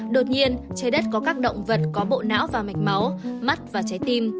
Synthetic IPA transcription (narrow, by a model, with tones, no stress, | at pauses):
ɗo˨˩t̚ɲi˧ənt͡ɕa˨˦jɗə˦˥t̚kɔ˨˦kaː˦˥k̚ɗə̰˧˨wŋ͡mvə˨˩t̚kɔ˨˦ɓo̰˧˨na̰ː˧˥wvaː˨˩ma˨˩jk̟̚ma˨˦wma˦˥t̚vaː˨˩t͡ɕa˨˦jt̪i˧m